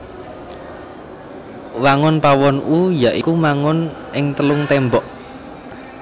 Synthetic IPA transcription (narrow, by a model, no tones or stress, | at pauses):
waŋʊnpawɔnʔujaʔikumaŋʊnʔɪŋt̪əlʊŋt̪ɛmbɔʔ